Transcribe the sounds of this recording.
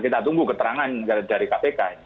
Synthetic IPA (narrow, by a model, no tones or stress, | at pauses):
kit̪at̪uŋɡukət̪əɾaŋankdaɾikapekai